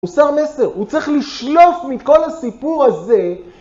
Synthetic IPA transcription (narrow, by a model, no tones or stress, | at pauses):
usaʁmese̞ʁut͡sʁiχliʃlo̞fmiko̞lasipuʁaze̞